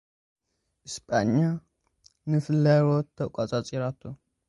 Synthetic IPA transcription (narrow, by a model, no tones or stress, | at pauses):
ʔɨspʰʼaɲːa | nɨfɨlaɾot̪ʰːɐkʷʼat͡sʼat͡sʼiɾat̪ʰːu